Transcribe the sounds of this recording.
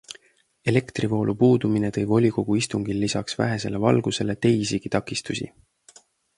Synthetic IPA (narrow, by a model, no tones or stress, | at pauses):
e̞le̞kt̪rivo̞ːlʔupuːd̪̥uminet̪ɤjbo̞lʲiko̞ɡ̥uist̪uŋɡ̥ilːisɑksvæ̰ɦe̞se̞le̞vɑ̰lɡ̥use̞le̞t̪e̞jsiɡ̥it̪ɑkːˑist̪usʲḭ